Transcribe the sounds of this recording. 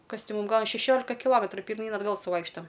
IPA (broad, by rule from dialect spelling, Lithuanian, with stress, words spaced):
ˈkɐs ˈtʲɪ ˈmuːm ˈɡɐlˠ ɐ ʃʲɛˈʃʲoːlʲɪkɐ kʲɪˈlˠoːmʲɛtrʊ pʲɪrʲˈmʲiːn ɐdˈɡɐlˠ sʊˈʋɐɪkʃtɐm